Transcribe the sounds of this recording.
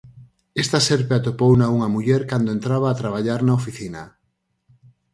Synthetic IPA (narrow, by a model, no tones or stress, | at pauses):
est̪ɐseɾpeat̪opownauŋɐmuʎɛɾkand̪oent̪ɾaβ̞aːt̪ɾaβaʎaɾnaofiθina